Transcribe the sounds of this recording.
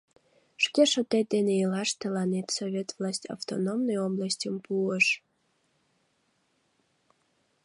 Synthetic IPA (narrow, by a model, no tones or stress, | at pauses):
ʃkʲeʃət̪ed̪eneilɑʃt̪əlɑnet̪sovʲet̪vlˠɑsʲtʲa̰ft̪onomnəjoblˠasʲtʲəmpuəʃ